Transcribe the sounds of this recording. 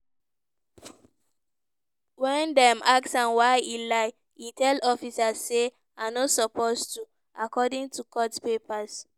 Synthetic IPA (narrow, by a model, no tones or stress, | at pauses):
wɛ̃ndɛmaksãnwaɪilaɪ | itʰɛlɔfisasse | anɔsɔpostu | akɔdĩŋtʰukɔtpepas